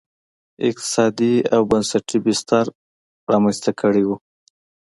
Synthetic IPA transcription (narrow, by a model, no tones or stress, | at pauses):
ɪ̰q̚t̪ɪ̥sɑd̪iawbansaʈʰibɪst̪aɾ | ɾɑmanst̪akʰəɽiwu